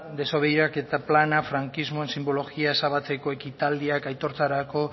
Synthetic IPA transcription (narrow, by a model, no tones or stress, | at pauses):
d̪e̞soβ̞e̞jɾake̞t̪aplanafɾaŋkizmo̞e̞nsimbo̞lo̞ɣiae̞saβ̞at͡se̞ko̞e̞kit̪ald̪iakajt̪o̞ɾt͡saɾako̞